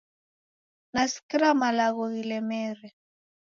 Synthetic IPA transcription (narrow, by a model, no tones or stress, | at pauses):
nasi̥kiɾamalaɣɔɣilɛmɛɾɛ